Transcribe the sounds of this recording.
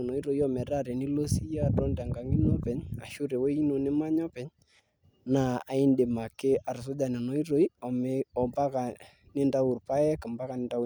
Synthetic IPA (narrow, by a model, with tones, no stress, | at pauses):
nɔ˨i˦ɾo˨i˦ɔ˦mɛ˨ɾa˦ɾɛ˨nɪ˦lo˦si˦ja˦˨tɔ˦nda˨ŋɡa˨ŋi˦no˦pɛ˨ɲa̰˨ʃʊ˦ɾe˨we˦i˦no˨nɪ˦ma˦ɲɔ˦pɛ˦ɲ | na˨a˨ɪ˦ndɪ˨ma˨kɪ˦a˨ɾs̬ʊ˦d͡ʒa˨nɪ˨no˨˦i˦ɾo˦i˦ɔ˨mɔ˨mba˦ka˨ | nɪ˦nda˦u˨rpa˦ɛ˦kɪ˨mba˦ka˨nɪ˨nda˦